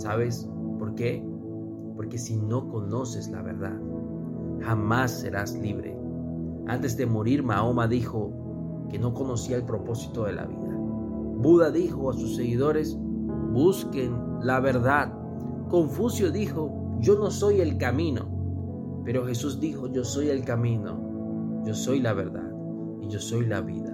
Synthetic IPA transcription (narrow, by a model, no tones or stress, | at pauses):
saβe̞s | po̞ɾke̞ | po̞ɾke̞sino̞ko̞no̞se̞zla̰βe̞̰ɾða̰ð | xamasːe̞̰ɾasliβɾe̞̰ | a̰nt̪e̞zd̪e̞moɾiɾmaomaðixo̞ | ke̞no̞ko̞no̞siaelpɾo̞po̞si̥t̪o̞ðe̞la̰βḭða | buðaðixo̞asusːe̞ɣiðo̞ɾe̞s | buske̞n | laβe̞ɾðað | ko̞ɱfusjo̞ðixo̞ | d͡ʒo̞no̞so̞je̞lkamĩno̞̰ | pe̞ɾo̞xe̞suzd̪ixo̞ʝo̞so̞je̞lkamĩno̞̰ | ɟ͡ʝo̞so̞jlaβe̞̰ɾða̰ð | iʝo̞so̞jlaβḭða